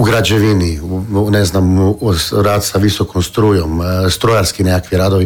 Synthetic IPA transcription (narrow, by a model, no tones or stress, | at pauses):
uɡɾad͡ʒeʋininɛznam | ɾaːt̪saʋisokomst̪ɾuːjomst̪ɾojaɾskinekakʋiɾaːd̪oʋi